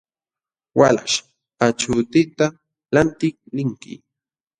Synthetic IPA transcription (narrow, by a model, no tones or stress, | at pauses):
wala̰ʃ | at͡ʃʊt̪ɪt̪a | lant̪ɪklɪŋkɪ̰